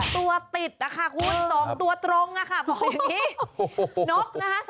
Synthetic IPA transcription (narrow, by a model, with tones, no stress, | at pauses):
t̪u˧ɐt̪i˨˩t̪̚a˨˩kʰa˥˩kʰu˧nsɔː˩˦ŋt̪u˧ɐt̪ɾo˧ŋʔa˨˩kʰa˥˩bɔː˨˩e˧˩niː˥˩ | no˦˥p̚na˦˥kʰa˦˥s